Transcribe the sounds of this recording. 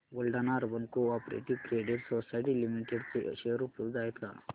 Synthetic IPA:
ɡɔlɖanaːɾbɐnkuaːpɾḛʈiʋʈɾeːɖiɖsosɐjʈ̬ilimiʈeɖtʃeːɾupʰuld̪aːjit̪a̰

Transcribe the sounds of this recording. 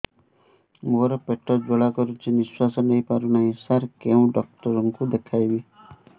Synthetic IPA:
moɾɔpeʈɔd͡ʒoɭakɔɾut͡ʃʰiniswasɔnejpaɾunaĩsaɾkeũɖɔk̚ʈɔɾɔŋkud̪ekʰajbi

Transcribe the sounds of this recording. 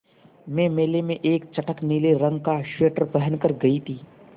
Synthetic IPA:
mẽmeːlemẽʔeːkt͡ʃɐʈəkniːleɾɐ̃ŋɡ̚kaʃeːʈəɾpɛɦənkəɾɡɐit̪ʰiː

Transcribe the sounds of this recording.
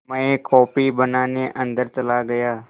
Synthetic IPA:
mə̃ẽːkɔːpiːbənaːneʔə̃nd̪əɾt͡ʃəlaːɡəjaː

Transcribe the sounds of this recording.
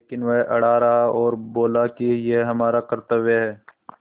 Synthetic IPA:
leːkɪnʋɛɦʔɐɽ̤aːɾɐɦaɔːɾboːlakijeɦɐmaːɾakɐɾt̪əbeɦɛː

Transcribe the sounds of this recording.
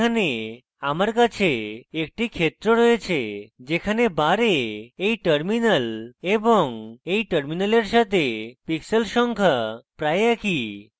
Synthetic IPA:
ane | amaɾkat͡ɕʰeek̚ʈikʰet̪ɾoɾɔet͡ʃʰed͡ʒekʰanebaɾeejʈəɾminəlebɔŋejʈəɾminəleɾʃat̪ʰepiksəlʃɔŋkʰapɾaeakʰi

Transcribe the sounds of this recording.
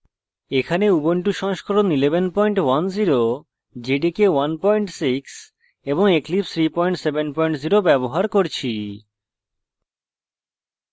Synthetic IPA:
ekʰaneuboɳʈuʃɔŋʃkʰoɾonilebenpɔjɳʈwanziɾo | d͡ʑeɖikewanpɔjɳʈsiks | eboŋeklipt̪ʰɾipɔjɳʈsebenpɔjɳʈziɾobɛboɦaɾkoɾt͡ɕʰi

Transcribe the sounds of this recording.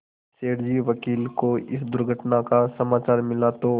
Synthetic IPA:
seːɽd͡ʒiʋəkiːlkoɪ̰sd̪ʊɾɡʱəʈnakasɐmaːt͡ʃaːɾmɪlat̪o

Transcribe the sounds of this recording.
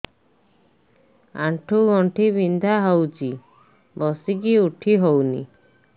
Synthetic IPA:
a̰ʈʰuɡɔɳʈʰibind̪ʱaɦɔwt͡ʃi | bɔsik̬iuʈʰiɦownḭ

